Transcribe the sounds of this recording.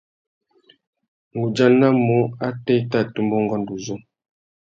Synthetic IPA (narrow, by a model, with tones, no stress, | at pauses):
ŋ˨ɡu˨d͡ʒa˦na˦mo˦a˦tɛ˦i˦ta˦˨tu˦mbɔ˦ŋ˦ɡɔ˦n˨du˨zɔ˦